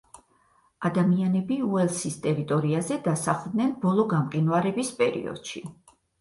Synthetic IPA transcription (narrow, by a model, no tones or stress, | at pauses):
ad̪amianɛbiuɛlˠsist̪ʼɛɾit̪ʼɔɾiazɛd̪asaχd̪nɛnbɔlˠɔɡamqʼinvaɾɛbispʼɛɾḭɔ̰d̪̥ʃḭ